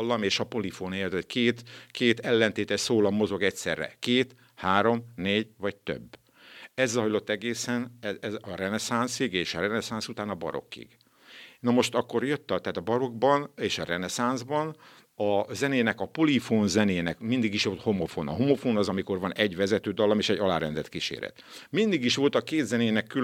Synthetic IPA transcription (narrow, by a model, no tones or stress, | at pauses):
lːɒmeːʃɒpo̞lifoːneːlt̪ɛckeːt̪keːt̪ɛlːɛnt̪eːt̪ɛʃsoːlɒmːo̞zo̞ɡɛcsɛ̰rːɛ̰keːt̪ | haːɾo̞mneːɟʋɒc̚t̪ø̰bː | ɛzːɒjlo̞t̪ːɛɡeːsɛnɛɛzɒrɛnɛsansiɡeːʃɒrɛnɛsansut̪aːnɒbɒ̰ɾo̰kːḭɡ̥ | nɒmo̞ʃt̪ɒkːo̞rjøt̪ːɒt̪ɛːt̪ɒbɒɾo̞ɡbɒneːʃɒrɛnɛsanzbɒn | ɒzɛneːnɛkɒpolifoːnzɛneːnɛkmind̪iɡiʃʋo̞lt̪ho̞mofo̰ːnɒ̰ɦomo̞foːnɒzɒmiko̞rvɒnɛɟʋɛzɛt̪øːd̪ɒlːɒmeːʃɛɟːɒla̰ːɾɛnd̪ɛt̪kiʃḛːɾɛ̰t̪mind̪iɡiʃʋo̞lt̪ɒkeːd̪zɛneːnɛkːy